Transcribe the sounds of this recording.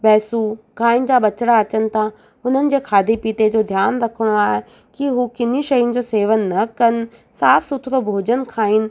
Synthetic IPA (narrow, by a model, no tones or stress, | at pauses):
pɛːsukaːɪnɪ̆d͡ʑaːɓɐt͡ɕɽaɐt͡ɕənɪ̆t̪ʰã | ʊn̤ənɪ̆d͡ʑeːkʰaːd̪ipiːt̪ed͡ʑoːd̪ʱjaːnɾɐkʰəɽ̃oaːɦe | kiɦukɪn̤iʃɐjʊ̃nɪ̆d͡ʑoːseːʋənːɐkɐn | saːfsʊt̪ʰɾobʱoːd͡ʑənkʰaːinɪ̆